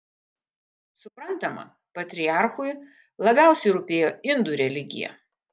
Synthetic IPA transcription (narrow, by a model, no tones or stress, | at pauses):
sʊpɾɐnˑt̪ɐmɐ̰ | pɐt̪ʲɾʲɪɑˑɾxʊj | lˠɐbʲæˑʊsʲɛɪɾʊpʲeːjoːɪnd̪ʊɾʲɛlʲɪɡʲɪ̰jɛ̰